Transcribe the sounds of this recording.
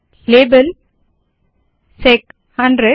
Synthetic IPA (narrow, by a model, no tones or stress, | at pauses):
leːbəl | sek | hɐ̃nɖɾe